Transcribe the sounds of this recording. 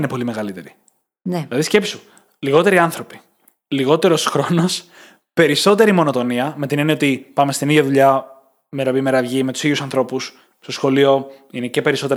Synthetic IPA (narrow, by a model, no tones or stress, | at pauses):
nepo̞lime̞ɣɐlit̪e̞ɾi | nlɐðisce̞pisu | liɣo̞t̪e̞ɾiɐnθɾo̞pi̥ | liɣo̞t̪e̞ɾo̞sxɾo̞no̞s | pe̞ɾiso̞t̪e̞ɾimo̞no̞t̪o̞niɐme̞t̪inenio̞t̪ipɐme̞st̪iniðʝɐðuʎɐ | meɾopimeɾɐvʝimet̪usiðjusɐnθɾo̞pus | st̪o̞sxo̞lio̞ine̞ce̞pe̞ɾiso̞t̪eɾ